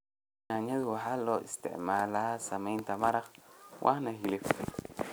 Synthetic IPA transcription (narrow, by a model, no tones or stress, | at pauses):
naɲaduwaɦalɔḭstɛ̰ʔmaːlasamantamaɾakwʔa̰nahile